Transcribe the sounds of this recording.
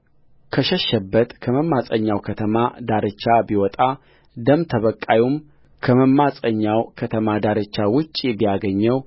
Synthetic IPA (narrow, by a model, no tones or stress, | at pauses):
kʰəʃɛʃːɛbːət̪kʰəməmːasʼəɲːawkʰət̪ʰəmad̪aɾɨt͡ʃːabiwɔt̪ʼa | d̪əmt̪ʰəβəkʼːajum | kʰəməmːasʼəɲːawkʰət̪ʰəmad̪aɾɨt͡ʃːawʊt͡ʃʼːibijaɡəɲːəw